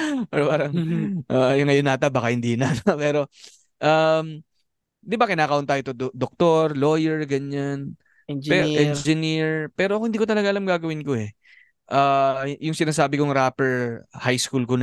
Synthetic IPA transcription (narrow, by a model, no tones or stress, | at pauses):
pɛɾpaːɾɐŋʔajʊŋːɐjonːat̪ɐbaːkɐhɪnd̪iːnat̪apɛːɾo̞ | ʔam | d̪ɪbakɪnaːkɐʔont̪aːjot̪odd̪ok̚t̪oɾlo̞ːjɛɹɡɐɲan | pɛɾʔɛnd͡ʒɪniɹpɛːɾoɐkhɪnd̪iːkot̪̬ɐlɐɡaʔɐlamɡaːɡɐwɪnkoɛ | ʔaːjʊŋsɪnaːsaːbɪkoŋɾaːpɛɹhajskulkon